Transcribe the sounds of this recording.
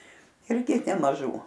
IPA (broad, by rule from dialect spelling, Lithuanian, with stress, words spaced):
ˈɪrʲɡʲɪ nʲɛmɐˈʒuː